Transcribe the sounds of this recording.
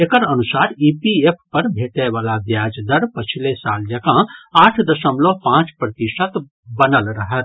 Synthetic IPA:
ekəɾənusaɾipiepʰpəɾbʱeʈeβalab̪jad͡ʒd̪əɾpət͡ʃʰilesald͡ʒəɡãaʈʰd̪əsəmlopãt͡ʃpɾət̪iʃət̪ | bənəlɾəɦət̪

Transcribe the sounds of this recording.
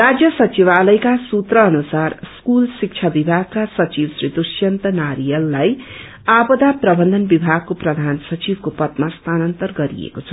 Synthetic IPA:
rad͡zjʌsʌt͡siβalʌjkasut̪rʌːnusarskulsik̚t͡ʃʰabibʱaɡ̚kasʌt͡siwsrid̪usjʌnt̪ʌnaɾijʌlːaj | abʌd̪aprʌbʌnd̪ʱʌnbibʱaɡ̚koprʌd̪ʱansʌt͡sibkopʌt̪mast̪ʰanʌnt̪ʌrɡʌɾḭḛkot͡sʰʌ

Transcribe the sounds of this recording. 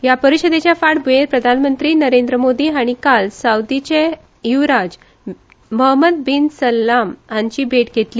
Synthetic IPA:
japəɾiɕəd̪et͡ɕjafaɽbeɾpɾəd̪ʱanmənt̪ɾiːnəɾend̪ɾəmod̪iːaɽ̃ikalsawd̪it͡ɕe | iʋɾad͡z | məɦməd̪̚binsəlːamaɲt͡ɕiːbʱeʈɡʱet̪li

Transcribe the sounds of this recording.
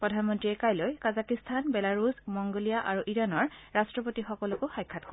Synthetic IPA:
pɹɔdʱanmɔntɹiɛkajlojkazakistʰanbɛlaɹusmɔŋɡolijaʔaɹuʔiɹanɔɹɹastɹɔpotixɔkɔlɔkʊxajkʰːatko

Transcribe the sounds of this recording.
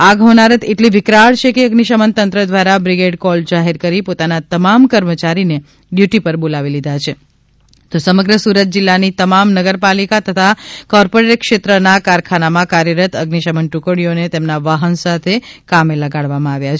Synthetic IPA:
aɡʱɦonaɾət̪ʰeʈliʋɪkɾaɭt͡ʃʰekeəɡniʃəmənt̪ənt̪ɾəd̪ʋaɾabɾiɡeɖkɔld͡ʒaɦeɾkəɾipot̪anat̪əmamkəɾmət͡ʃaɾine | ɖjuʈipəɾbolaʋilid̪ʱat͡ʃʰe | t̪osəməɡɾəsuɾət̪̚d͡ʒɪlːanit̪əmamnəɡəɾpalikat̪ət̪ʰakɔɾpoɾeʈkʃet̪ɾənakaɾkʰanamãkaɾjəɾət̪əɡniʃəmənʈukəɽijonet̪emnaʋaɦənsat̪ʰekameləɡaɽʋamãaʋjat͡ʃʰ

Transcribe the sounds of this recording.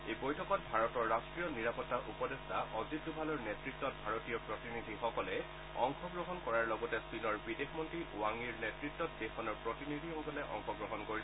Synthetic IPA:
ejbojtʰɔkɔtbʱaɹɔtɔɹːastɹijɔniɹapɔtːaʔupɔdestʰaʔɔzitːubʱalɔɹnetɹik̚tːɔt̚bʱaɹotijɔpɹɔtinid̪ʱixɔkɔlɛ | ɔ̰ŋxɔɡɹɔɦɔnkɔɹaɹlɔɡɔtɛsinɔɹbidexmɔntɹiʔuwaŋiɹnetɹit̚tːɔt̚dexɔnɔɹpɹɔtinid̪ʱiɔkɔlɛʔɔ̰ŋxɔɡɹɔɦɔnkoɹis

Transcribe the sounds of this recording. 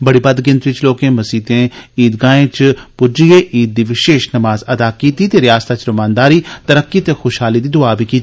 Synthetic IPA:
bɐɽibɐd̪ɡɪ̃nt̪ɾit͡ʃloːkẽːmɐsiːt̪ẽːiːd̪ɡãːẽt͡ʃpʊd͡ʒieːʔiːd̪̚ːiʋɪʃeːʃnɐmaːzɐd̪aːkiːt̪it̪eːɾɪjaːst̪at͡ʃɾʊmãːnd̪aːɾiːt̪ɐɾəkːit̪exoːʃɦaːlid̪iːd̪ʊaːbikiː

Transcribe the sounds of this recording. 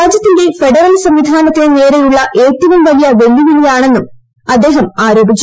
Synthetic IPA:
aːd͡ʑjɐt̪ːinde̞fe̞ɖɐrɐlsɐmʋid̪ʱaːnɐt̪ːieneːɾejuɭːɐʔeːt̪ːɐʋɐmʋɐlijɐʋe̞ljuʋilijaːɳe̞nːum | ɐd̪ːe̞ːɦɐmaːɾo̞ːbʱit͡ɕː

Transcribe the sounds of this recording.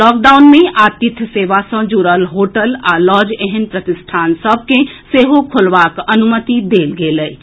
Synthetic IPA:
lɔːkɖaʊnmẽʔat̪it̪ʰseʋasə̃d͡ʒuɾəlɦoʈəlalɔd͡ʒeɦɛnpɾət̪ɪsʈʰaːnsəb̚ʱkeseɦokʰolʋakənumət̪id̪eːlɡeləj

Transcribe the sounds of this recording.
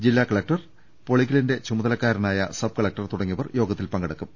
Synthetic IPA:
d͡ʑilːaːkɐɭɐk̚ʈɐr | po̞ɭikːilɐnde̞t͡ɕumɐðɐlɐkːaːɾɐnaːjɐsɐb̚kɐɭɐk̚ʈːɐrt̪uɽɐŋːiʋɐrjo̞ːɡɐt̪ːilpɐŋɡɐɽɐkːum

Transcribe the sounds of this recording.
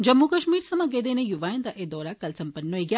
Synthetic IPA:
d͡ʒɐmːukɐʃmiːɾsɐmɐɡed̪eːnejuʋaːjɐnd̪ɐʔed̪ɔːɾakɐlsɐmpɐnːoiɡja

